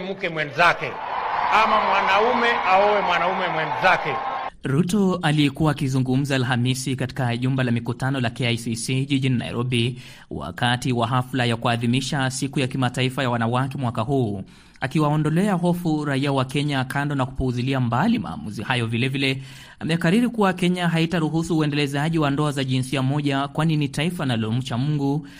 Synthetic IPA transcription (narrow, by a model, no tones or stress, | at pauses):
mukɛmwɛnzakɛamamwanaumɛʔaɔwɛmwanaumɛmwɛnzakɛɾutɔalijɛkuwaːkizuŋɡum̩zaːlɦamisikati̥kaʄumbalamikutanɔlakeajsisiʄiʄinina̰ḭɾʔɔɓi | wa̰katiwaɦaflajakuaːðimiʃasikujakimataifajawanawakɛmwakaɦuː | akiwaɔndɔlɛaɦɔfuɾaiawakɛɲakandɔnaku̥puːziliambalima̰ːmuzihajɔvilɛvilɛ | amɛjakaɾiɾikuwakɛɲaɦaitaɾuɦusuːɛndɛlɛzaʄiwandɔazaʄinsiamɔʄakwaninitaifanalɔm̩t͡ʃamuŋɡu